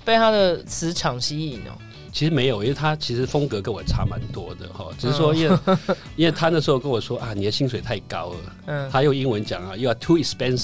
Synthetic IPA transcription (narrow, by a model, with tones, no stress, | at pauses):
pe˥˧ɪt̪ʰa˥d̪ə˨t͡sʰɹ̩˧˥ʈ͡ʂʰɑ˨˩ŋɕi˥i˥˨˩no̰˨˩ | t͡ɕʰi˧˥ʂɻ̩˧˥me˧˥ɪjo˨˩ʊʔi˦˥we˨˩t̪ʰa˥t͡ɕʰi˧˥ʂɻ̩˧˥fo˥ŋkɤ˧˥kə˥nwɔ˨˩ʈ͡ʂʰa̰˥ma̰˨˧˦nt̪wɔ˥d̪ə̰˨xɔ̰˥˩ʈ͡ʂɻ̩˨˩ʂ̩˥ʂwɔ˥i˥nwe˥ | i˥nwe˥˩ɪt̪ʰa˥ndʂɻ̩˧˥xo˥˧ʊkə˥nwɔ˨˩ʂwɔ˥ʔa˥˩ni˨˩d̪ə˦ɕi˥ŋswe˨˩ɪt̪ʰa˥˩ɪka˥ʊə˩˥˩ | a˥jo˥˩ʊi˥ŋwə˧˦nt͡ɕjɑ˨˩ŋa˦jo˥˧ʊa˧˩t̪ʰu˥i˨spɛ˥ns